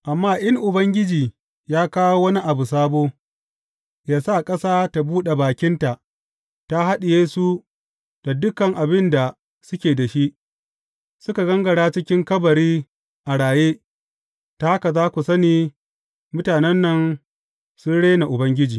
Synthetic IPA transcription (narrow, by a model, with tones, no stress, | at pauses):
ʔa˨mːaː˦ʔɪ˦ŋʔʊ˨bɐ˦ŋɡʲɪ˦d͡ʒiː˨ | jaː˦kaː˦woː˦wɐ˦ni˦ʔa˨bu˨s̬aː˦boː˦ | jaː˦sa˦˨kʼɐ˦saː˦ta˨buː˦ɗe˨baː˨kʲɪ˦nta˨ʔ | ta˦ha˦ɗɪ˨jeː˦su˦ | d̥a˨dʊ˦kɐ˨ŋʔa˨bɪ˦nda˨ | sʊ˦kʲeː˨da˨ʃi˦ʔ | sʊ˦ka˨ɡɐ˦ŋɡɐ˨ɽaː˦t͡ʃɪ˦kʲɪ˦ŋkɐ˦bɐ˨ɽiː˦ | ʔa˨ɽaː˨jeː˦ | ta˦a˦ka˨zaː˦kʷu˨sɐ˦niː˨ | mʊ˦taː˨nɛ˦nːɐ˦n | sʊ˦nɽeː˦na˨ʔʊ˨bɐ˦ŋɡʲɪ˦d͡ʒiː˨